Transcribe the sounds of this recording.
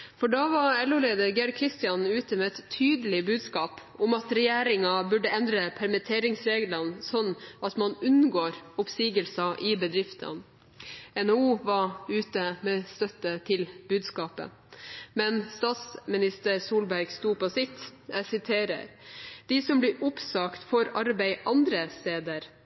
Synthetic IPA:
fɔɖɑːʋɑɛlʊːleːd̪əɾɡæɾkʰɾɪst̪ɪjɑnʉːt̪əmɛɛt̪t̪ʰyːd̪əlɪbʉːd̪skɑːp | ʊmɑt̪ɾɛjeːɾɪŋɑbʉɖːəɛnd̪ɾəpʰæɾmət̪ʰeːɾɪŋsɾeːɡlɑnsɔnːʔɑt̪mɑnʉnɡoːɾʊpsiːɡəlsɑʔɪbəd̪ɾɪft̪ʰə̰n | ɛnouːʋɑʉːt̪əmɛːst̪œt̪ːət̪ʰɪlbʉːd̪skɑːpə̰ | mɛnst̪ɑːt̪smɪnɪst̪əɾsuːlbæɾɡst̪uːpɔsɪt̪ːæsɪt̪ʰeːɾə̰ɾd̪̥ɪsɔmblɪɾʔʊpsɑːkt̪fɔɾɑɾbæɪʔɑnd̪ɾəst̪eːd̪əɾ

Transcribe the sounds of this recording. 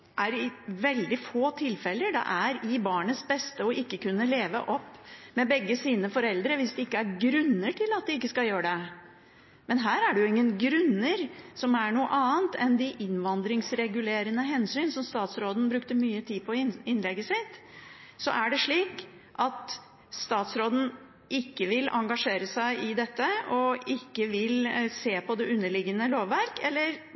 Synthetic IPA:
ʔæɾɪʋɛld̪ɪfoːt̪ʰɪlfɛlːəɖ̪ɛ̰ʔæɾɪbɑːɳəsbɛst̪əɔʔɪkːəkʉnːəleːʋə̰ʔɔpːmɛbɛɡːəsiːnəfɔɾɛld̪ɾəʋɪsd̪ɛɪkːəæɾɡɾʉnːəʈʰɪlɑt̪̚d̪ɪɪkːəskɑljøːɾəɖɛ | mɛnɦæːɾæɖɛjʊɪŋːənɡɾʉnːəɾsɔmæɳuːə̰ʔɑːənt̪ʰɛnd̪ɪʔɪnʋɑnd̪ɾɪŋsɾɛɡʉleːɾənəɦɛnsyːnsɔmst̪ɑːt̪sɾoːd̪n̩bɾʉkt̪əmyːət̪ʰiːpʰɔɪnlɛɡəsɪt̪ːsɔ̰ʔæɖɛʂɭiːk | ʔɑt̪ | st̪ɑːt̪sɾoːd̪n̩ | ʔɪkːəʋɪlʔɑ̰ŋɡɑʂeːɾəsæɪʔɪd̪ɛt̪ːəɔɪkːəʋɪlseːpʰɔd̪ɛʉnːəɭɪɡənəloːʋːæɾkɛlːəɾ

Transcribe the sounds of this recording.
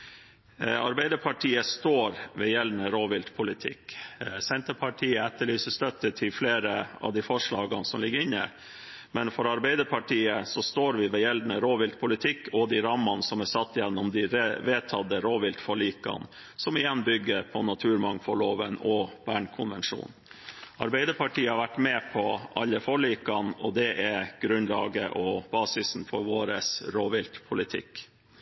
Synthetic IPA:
ɑ̰ɾbɛɪd̪əpʰɑʈʰiːəst̪oːɾʋɛjɛlnəɾoːʋɪlt̪pʰʊlɪt̪ʰɪ̰ksɛnt̪əpʰɑʈʰiːəɛt̪ːəɭyːsəst̪œt̪ːət̪ʰɪlfleːɾəɑ̰ʋd̪ifɔʂɭɑːɡɑnsɔmlɪɡːəɾɪnːə̰ | mɛnfɔɾɑɾbɛɪd̪əɾpʰɑʈʰiːəsɔst̪oːɾʋɪʋɛjɛld̪nəɾoːʋɪlt̪pʰʊlɪt̪ʰɪkːɔd̪iɾɑmɑnsɔmæsɑt̪ːjɛnːɔmd̪ɪɾʋeːt̪ʰɑd̪əɾoːʋɪlt̪fɔɭiːkɑ̰n | sɔmɪjɛnːbʏɡːəɾpʰɔnɑt̪ʰʉːɾmɑŋfɔɭoːʋənɔb̥æːɳkʰʊnʋɛnʂṵːn | ɑɾbɛɪd̪əpʰɑʈʰiːəhɑɾʋæʈːmɛːpʰɔʔɑlːəfɔɭiːkɑnɔd̪ɛʔɛɾɡ̥ɾʉnlɑ̰ːɡəʔɔb̥ɑːsɪsn̩fɔɾʋoːɾəsɾoːʋɪlt̪pʰʊlɪt̪ʰɪ̰k

